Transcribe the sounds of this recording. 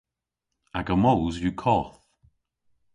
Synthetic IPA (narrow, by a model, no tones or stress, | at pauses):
aɡəmowzjukʰɔθ